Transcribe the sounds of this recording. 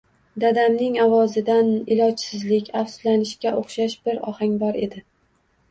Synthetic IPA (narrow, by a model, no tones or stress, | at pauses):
d̪ad̪amnɪŋavɒzɪd̪anɪlɒt͡ʃsɪzlɪkʲafslanɪʃkʲaʔoχʃaʃbɪɾɒ̰haŋʲbɒɾe̞d̪ɪ